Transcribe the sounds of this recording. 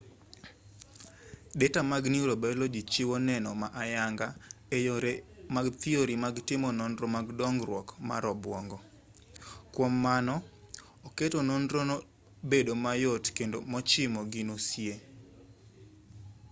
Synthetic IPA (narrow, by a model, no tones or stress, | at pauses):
dɛtamaɡniɾobɛlod͡ʒit͡ʃɪwɔnɛnɔmaʔajaŋɡa | maɡt̪ɪoɾimaɡtɪmɔnɔndɾɔmaɡdɔŋɡɾwɔkma̰ɾɔbwɔŋɡɔ | kwɔmːanɔ | oketonɔndɾono | bedomajotkendo̰mɔt͡ʃɪmɔɡinosje